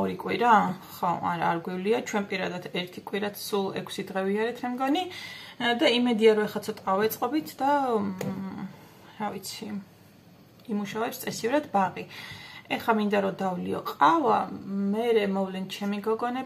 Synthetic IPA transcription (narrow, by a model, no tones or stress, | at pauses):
ɔɾikʼwiɾaχɔa̰ɾaːɾɡwivliat͡ʃʰwɛnpʼiɾad̪ad̪ɛɾt̪ʰikʼwiɾat̪ʰsulˠɛkʰsid̪ʁɛviaɾɛt̪ʰmɛmɡɔni | d̪aimɛd̪iaɾɔɛχlat̪sʰɔt̪ʼavɛt̪sʼqʼɔbit̪ʰd̪a | ɾavit̪sʰi | muʃavɛpst̪ʼɛsivɾad̪baʁiɛχamind̪aɾɔd̪avliɔ̰qʼavamɛɾɛmɔvlɛnt͡ʃʰɛmiɡɔɡɔnɛ